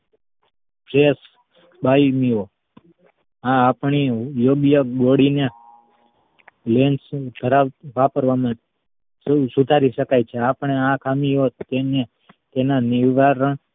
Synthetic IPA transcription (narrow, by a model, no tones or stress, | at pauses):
pɾes | baimiɦo | ãːpɳijoɡjəɡoɽine | lensd̪ʱəɾaʋʋapəɾʋamã | sud̪ʱaɾiʃəkajt͡ʃʰeapəɳeãkʰamiɦot̪ene | t̪enaniʋʋaɾəɳ